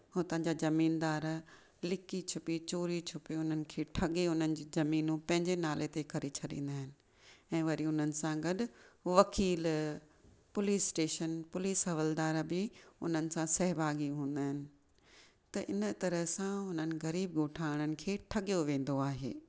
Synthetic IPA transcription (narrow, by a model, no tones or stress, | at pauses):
ɦoːt̪ɐ̃ɦɲd͡ʑazɐmiːnd̪aːɾ | lɪkit͡ɕʰʊpit͡ɕoːɾit͡ɕʰʊpiʊn̤ənɪ̆kʰeːʈʰɐɠeɦʊnənɪ̆d͡ʑiːzɐmiːnũpɐ̃ɦɪ̃ɲd͡ʑenaːlet̪ekɐɾet͡ɕʰɐɗḭ̃ːn̆d̪aːɦɪnɪ̆ | ɛ̃ːʋɐɾiʊn̤ənɪ̆sãɡɐɗʊ̆ʋɐkiːl | pʊliːsʈeːʃənpʊliːsɦɐʋəld̪aːɾbɪʊn̤ənɪ̆sãsɐɦbʱaːɡiɦũːn̆d̪aːɦɪnɪ̆ | t̪ɐʔɪnə̆t̪ɐɾəɦsãɦʊnənɪ̆ɣɐɾiːb̚ɡoːʈʰaːɪɽ̃ənɪ̆kʰeːʈʰɐɠijoʋẽːn̆d̪oaːɦḛː